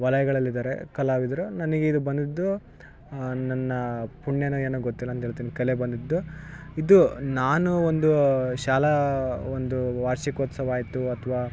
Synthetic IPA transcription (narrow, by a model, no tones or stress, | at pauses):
ʋɐlɐjɐɡɐɭɐlːid̪aːɾḛkɐlaːʋid̪ɐɾunɐnɐɡeid̪ubɐnd̪id̪ːu | nɐnːɐpuɳjenueːnɐɡot̪ːilːɐnt̪ɦeːɭt̪iːnikɐlebɐnd̪id̪ːuid̪unaːnuond̪uʃaːlɐond̪uʋaːɾʃikoːt̪sɐʋaːjit̪uɐt̪ʰɐʋaː